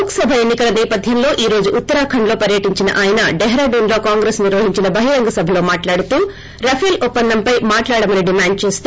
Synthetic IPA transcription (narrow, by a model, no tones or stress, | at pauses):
ksɐbʱɐenːikɐlɐnɛːpɐd̪ʱjɐmlo̞ːʔiːɾo̞ːd͡ʒuʔːt̪ːɐɾaːkʰɐɳlo̞ːpɐɾjɐʈiɲt͡ʃinɐ̰ʔaːjɐnɐɖɛɦɾaːɖuːnlo̞ːkaːŋɡɾesniɾʋɐɦiɲt͡ʃinɐbɐɦiɾɐŋɡɐsɐbʱɐlo̞ːmaːʈlaːɽut̪uː | ɾɐpʰeːlupːɐnd̪ɐmpɐjmaːʈlaːɽɐmɐniɖimaːɳɖ̚t͡ʃeːst̪